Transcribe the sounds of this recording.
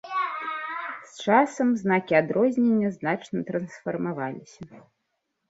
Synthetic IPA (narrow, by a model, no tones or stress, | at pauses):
st͡ʂasɐmznakʲiad̪ɾɔzʲnʲenʲːɐznat͡ʂnɐt̪ɾɐnsfɐrmavalʲisʲɐ